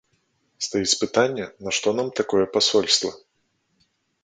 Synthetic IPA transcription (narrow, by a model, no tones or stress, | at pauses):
st̪ajit͡sʲpɨt̪anʲːɛnɐʂt̪ɔnamt̪akɔjɛpasɔlʲst̪vɐ